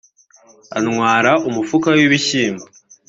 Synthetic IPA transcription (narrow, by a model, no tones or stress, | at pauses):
a̰nŋwaːɾaʔumufukawiβiçiːmba